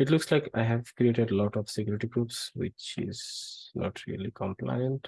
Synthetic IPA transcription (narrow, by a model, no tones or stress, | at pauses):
ɪʈlʊkslaɪka̰ɪɦɛʋkɾieːʈeɖlɔːʈɔfsɪkjɔɾɪʈiɡɾupsʋɪ̰t͡ʃɪ̰z̥nɔ̰ːʈʰɾḭəlikə̃mpla̰ɪə̃nʈ